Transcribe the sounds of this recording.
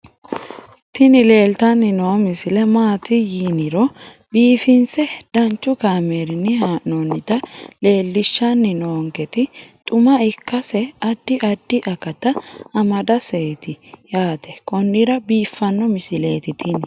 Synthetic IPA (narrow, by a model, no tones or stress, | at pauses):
t̪ɪnɪle̞ːlt̪ɐnːɪnomɪsɪlɛmaːt̪ɪjiːnɪɾɔ | biːfɪnsɛd̪̥ɐnt͡ʃːʊkaːmeːɾɪnːɪhanonːɪd̪ɐle̞ːlːɪʃːɐnːɪnoːŋɡɛt̪ɪt̪ʼʊmɐɪkːɐsɛɐd̪ːɪʔɐd̪ːɪʔɐkɐt̪ɐːmɐd̪ɐseːt̪ɪjaːt̪ɛkɔnːɪɾɐbiːfːɐnːɔmɪsɪle̞ːt̪ɪt̪ʰɪn